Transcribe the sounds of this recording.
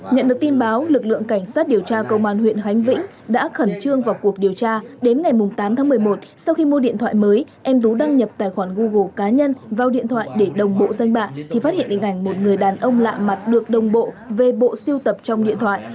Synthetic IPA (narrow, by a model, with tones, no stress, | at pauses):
ɲə̰˧˨nɗɨ˨˩ək̚t̪i˧nɓaː˨˦wlɨ˨˩k̚lɨ̰˧˨əŋka˧˩jŋ̟saː˦˥t̚ɗi˨˩əwt͡ɕaː˧kə˧wŋ͡mʔaː˧˩nhwḭ˧˨ənxa˨˦jŋ̟vḭ˧˥ŋ̟ | ɗa̰ː˧˥xə˧˩nt͡ɕɨ˧əŋvaː˨˩wku˨˩ək̚ɗi˨˩əwt͡ɕaː˧ɗe˨˦nŋa˨˩jmʊ˨˩ŋ͡mt̪aː˨˦mt̪ʰaː˨˦mɨ˨˩əjmo˨˩t̚sa˧wxi˧mo˧ɗḭ˧˨ənt̪ʰwa̰ː˧˨jməː˨˦jʔɛ˧mt̪̬u˨˦ɗa˧ŋɲə˨˩p̚t̪a̰ː˧˨jxwaː˧˩nɣu˧ɣo˧˩kaː˨˦ɲə˧nvaː˨˩wɗḭ˧˨ənt̪ʰwa̰ː˧˨jɗe˧˩ɗə˨˩wŋ͡mɓo̰˧˨za˧jŋ̟ɓa̰ː˧˨t̪ʰi˨˩faː˦˥hḭ˧˨ə˨nʔḭ˧˨ŋ̟ʔa˧˩jŋ̟mo˨˩t̚ŋɨ˨˩əjɗaː˨˩nʔə˧wŋ͡mla̰ː˧˨ma˨˩t̚ɗɨ˨˩ək̚ɗə˨˩wŋ͡mɓo̰˧˨ | ve˨˩ɓo̰˧˨si˧wt̪ə˨˩p̚t͡ɕɔ˧wŋ͡mɗḭ˧ənt̪ʰwa̰ː˧˨j